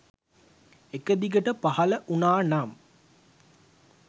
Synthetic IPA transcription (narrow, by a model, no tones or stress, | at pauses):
ekəd̪iɡəʈəpahɐləʔunaːnam